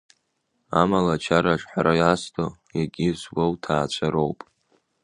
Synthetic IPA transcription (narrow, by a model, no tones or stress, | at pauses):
a̰malat͡ʃʰaɾaʂħaɾajastʰojaɡʲizbowtʰaːt͡ʃʷʰaɾowpʼ